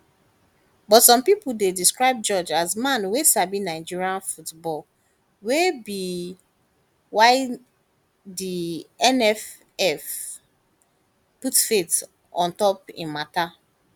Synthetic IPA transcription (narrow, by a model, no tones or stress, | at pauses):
bɔtsɔ̃mpipudediskɹaɪb̚d͡ʒɔd͡ʒazmãnwesabinaɪd͡ʒiɹiãnfutbɔl | webi | waɪ | diɛnɛf | ɛf | putfet | ɔ̃ntɔpḭ̃nmata